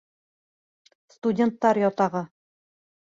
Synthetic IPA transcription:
st̪udʲent̪ːɑɾjɒt̪ɑʁɤ

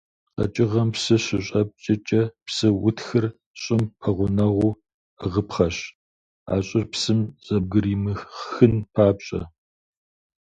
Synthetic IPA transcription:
qɐ̰t͡ʃʼɪʁɐmpsɨɕɪɕʼɐp̚t͡ʃʼɪt͡ʃʼɐpsɨwʊtxɨr | ɕʼɪmɐʁʷʊnɐʁʷuː | əʁəpχɐɕ | a̰ːɕʼɪrpsɨmɕʼɐb̚ɡɨriːmɨxxɨnpʰaːpɕʼɐ̰

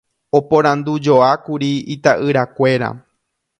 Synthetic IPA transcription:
opõɾ̃ãnd̪ud͡ʒoakuɾiit̪aʔɨɾakʷe̞ɾa̰

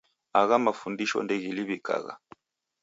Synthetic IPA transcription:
aɣamafundiʃɔ̰ndɛɣiliβika̰ɣa̰

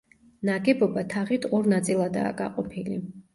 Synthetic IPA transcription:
naɡɛbɔbat̪ʰaʁit̪ʰɔɾnat̪sʼilˠad̪a̰ːɡa̰qʼɔpʰilḭ

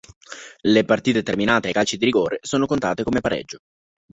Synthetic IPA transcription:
lepart̪iːt̪et̪erminaːt̪eekːalt͡ʃid̪iɾiɡoːɾesoːnokont̪a̰ːt̪ekomepaɾɛ̰d͡ʒːo

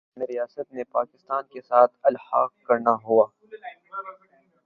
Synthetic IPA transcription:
neɾijaːsət̪̚mepaːkɪst̪aːnkesaːt̪ʰɐlhaːq̚kɐɾnaɦuaː

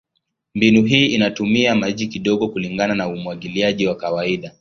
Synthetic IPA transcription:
mbinuɦiːinatumiamaʄikiɗɔɠɔkuliŋɡananaumuwaɠiliaʄiwakawaiɗa

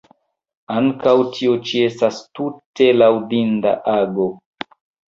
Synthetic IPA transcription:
aŋkawtʰiot͡ʃie̞stastute̞lawdinda̰ʔaɡo̞

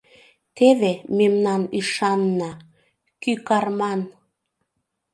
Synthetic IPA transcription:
t̪eβememnɑnyʃɑnːɑ | kykɑrmɑn

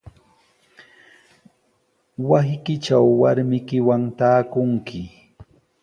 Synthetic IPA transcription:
wasɪkɪt͡ʃawːaɾmɪkɪwaŋt̪aːkʊŋkʰɪ

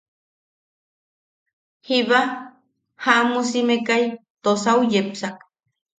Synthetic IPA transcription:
hiβa | haʔmusimekajt̪osaujepsak̚

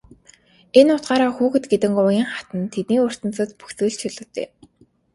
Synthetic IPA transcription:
enːʊːt̪ɢaːɾaːxuːxɘ̆t̪ɡet̪ɘ̆ŋʊjiːŋχat̪ə̆nt̪ʰet̪̚niːɵr̥t̪ə̆nt͡sə̆t̪pu̥xsɘ̆ːɮt͡ɕʰɵɮʊ̆t̪ḛː

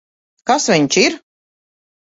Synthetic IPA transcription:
kasvʲiɲt͡ʃiɾ

